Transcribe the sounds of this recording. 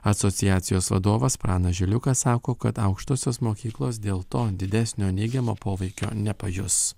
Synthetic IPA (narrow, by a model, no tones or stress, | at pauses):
ɐt̪sɔt̪sʲɪjæːt̪sʲɪjoːsʋɐ̰d̪oːʋɐspɾɑːnɐʒʲɪlʲʊkɐsɑːkoːkɐt̪ɐʊkʃt̪oːsʲoːsmoːkʲiːklˠoːs̬d̪ʲeːlˠt̪oːd̪ʲɪd̪ʲæsʲnʲoːnʲɛɪɡʲɛmoːpoːʋʲɛɪkʲo̰ːnʲɛpɐjʊs